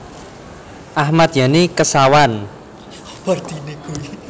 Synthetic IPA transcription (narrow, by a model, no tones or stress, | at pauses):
ʔahmat̪̚janekəsawan | bard̪ineɡu